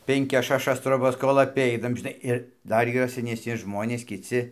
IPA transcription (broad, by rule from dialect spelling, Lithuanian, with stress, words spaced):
pʲɛŋʲˈkʲɛs ʃɐˈʃɐs troːˈbɐs koːlˠ ɐˈpʲɛɪnɐm ʒʲɪˈnɐɪ ɪr ˈdɐr iːˈrɐ sʲɛnʲɛsʲˈnʲɪ ˈʒmoːnʲeːs kʲɪˈt͡sʲɪ